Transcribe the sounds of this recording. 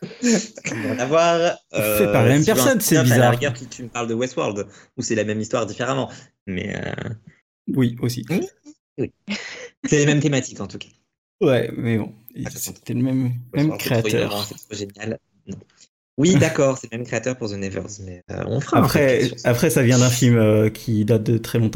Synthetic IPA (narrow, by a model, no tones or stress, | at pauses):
bjɛ̃d̪avwaʁøfɛpaʁlamɛmpɛʁsɔnsɛbizaʁɡɛʁt̪it̪ʰyməpaʁld̪əwɛst̪wa̰ʁld̪ | usɛlamɛmist̪waʁd̪ifeʁamɑ̃ | mɛ̰ø̰ | wiosii | wi | sɛlemɛmt̪emat̪ikɑ̃t̪ukḁ | wɛmɛbɔ̰̃ | set̪ɛləmɛmmɛmkχɛeat̪œ̰ʁɑ̃sɛt̪χoʒenjal | nɔ̃ | wid̪akɔʁsɛləmɛmkχeat̪œʁpuʁzənɛvœ̰ʁzmɛø̰ɔ̰̃fʁapχɛapχɛsavjɛ̃d̪ɛ̃filmøkʲʰid̪at̪̚d̪ət̪χɛlɔ̃t̪ɑ̃